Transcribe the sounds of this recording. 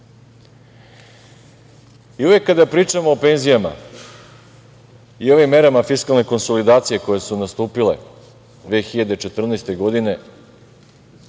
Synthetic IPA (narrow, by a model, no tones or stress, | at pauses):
iuʋe̞kːad̪apɾiːt͡ʂamo̞ːpe̞ːnzijama̰ | io̞ʋimːe̞ɾamafiskalˠne̞ko̞nso̞lid̪aːt̪sije̞ko̞je̞sunast̪uːpile̞̰ | d̪ʋe̞xiʎad̪e̞t͡ʃe̞t̪r̩nest̪e̞ɡo̞d̪ine̞